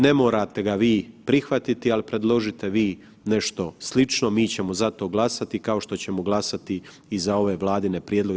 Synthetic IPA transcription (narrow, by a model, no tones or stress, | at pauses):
ne̞mo̞ːɾat̪e̞ɡaʋiːpɾixʋat̪it̪ialipɾe̞d̪lˠo̞ʒit̪e̞ʋiː | ne̞ʃt̪o̞slit͡ʃnomiːt͡ɕe̞mo̞zat̪o̞ːɡlˠasat̪ikao̞ʃt̪o̞t͡ɕe̞mo̞ɡlˠasat̪i | izao̞ʋe̞ːʋlˠaːd̪ine̞pɾjed̪lˠoɡ